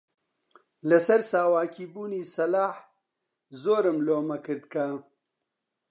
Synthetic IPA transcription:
lɐsɐɾsaːwaːkibuːniːsɐlaːħ | zoːɾɐmloːmɐkəd̪̚kaː

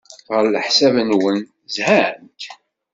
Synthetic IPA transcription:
ʁəɾləħsævənwən | zhænt̪

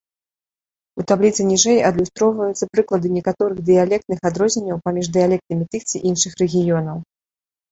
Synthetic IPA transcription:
ut̪ablʲit̪sɨnʲiʐɛjɐd̪lʲust̪ɾɔwvɐjut̪sɐpɾɨklˠɐd̪ɨnʲɛkat̪ɔɾɨɣd̪ɨjalʲɛk̚t̪nɨxad̪ɾɔzʲnʲɛnʲːɐwpamʲiʐd̪ɨjalʲɛk̚t̪nɨmʲit̪ɨxt̪sɨʔinʂɨxrɛɣʲijɔnɐw

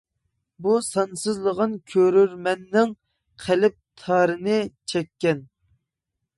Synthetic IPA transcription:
busɑnsɨzlˠəʁənkʲʰøɾyɾmɛnːɪŋ | qʰælɪp̚t̪ʰɑːɾɨnɨt͡ʃʰɛkʲːɛn

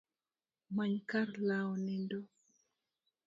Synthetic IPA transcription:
maɲkaɾlawɔnɛndo

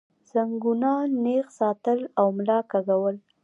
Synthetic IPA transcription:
z̥aŋɡunɑnexsɑt̪əlawmlɑkaɡawəl

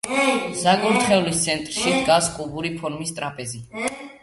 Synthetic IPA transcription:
zaɡuɾt̪ʰχɛulist̪sʰɛnt̪ʼɾʃid̪ɡaskʼubuɾipʰɔɾmist̪ʼɾapʼɛzi

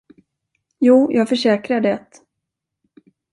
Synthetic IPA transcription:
juːjɑːɡfœʂɛːkɾaɖɛt̪

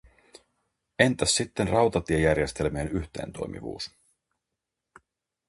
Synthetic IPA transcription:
e̞nt̪æsːit̪ːenrɑwt̪ɑt̪iejærje̞st̪e̞lmienyçt̪e̞̰ːnt̪o̞jmʔḭʋṵːs

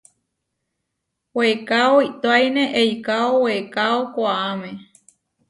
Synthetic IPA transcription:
wekaoit̪oajnẽʔejkaowekaokʷaamẽ

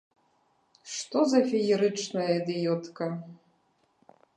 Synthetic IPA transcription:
ʂt̪ɔzɐfʲijiɾɨt͡ʂnɐjɐd̪ɛjɔt̪kɐ

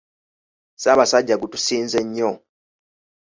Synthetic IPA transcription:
saːβasaɟːaɡutusiːnze̞ɲːo

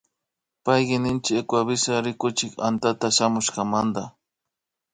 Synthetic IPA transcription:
pajɢɪnɪnt͡ʃɪekwaβɪsaɾɪkʊt͡ʃɪka̰nt̪at̪aʃamʊʃkɑmand̪a

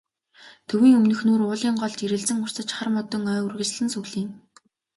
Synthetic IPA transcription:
t̪ʰɵwiːŋɵmnɵ̆xnuːɾʊːɮiːɴɢɔɮt͡ɕiɾɘ̆ɮt͡sɘ̆ŋʊr̥t͡sə̆t͡ɕχarmɔt̪ɞ̆ŋœːurɣɘ̆t͡ɕɮɘ̆nsuɣɮiːŋ

